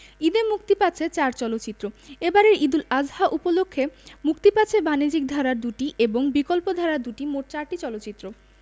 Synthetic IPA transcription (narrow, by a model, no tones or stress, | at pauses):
id̪emukt̪ipat͡ɕʰet͡ɕaɾt͡ɕɔlotːt͡ɕit̪ːɾoebaɾeɾid̪ulad͡ʑhaʔupolokʰːemukt̪ipat͡ɕʰebanid͡ʑik̚d̪ʱaɾaɾd̪uʈiʔeboŋbikolpod̪ʱaɾaɾd̪uʈimoʈ̚t͡ɕaɾʈit͡ɕɔlotːt͡ɕit̪ːɾo